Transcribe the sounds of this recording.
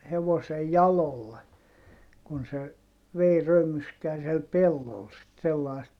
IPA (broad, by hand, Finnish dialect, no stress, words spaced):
heʋosej jɑlolːe kun se ʋei rømyskæː siel pelːol sit selːɑist